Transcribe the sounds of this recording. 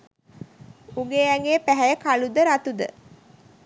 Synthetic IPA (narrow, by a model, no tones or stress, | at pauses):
uŋɡeːæŋɡeːpæɦæjəkalud̪əɾat̪ud̪ə̰